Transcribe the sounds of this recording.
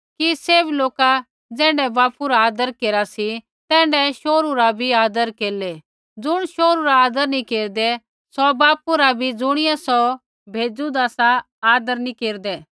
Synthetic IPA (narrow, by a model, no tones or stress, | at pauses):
kiseːbloːka | d͡zɛ̃ːɳɖɛbaːpuɾaaːd̪əɾkeːɾasi | t̪ɛ̃ːɳɖɛʃoːɾuɾabʱiaːd̪əɾkeːle | d͡zʊɽ̃ʃoːɾuɾaaːd̪əɾnikeːɾd̪ɛ | sɔbaːpuɾabʱid͡zʊɽ̃ɪjasɔ | bʱeːd͡zud̪aːsa | aːd̪əɾnikeːɾd̪ɛː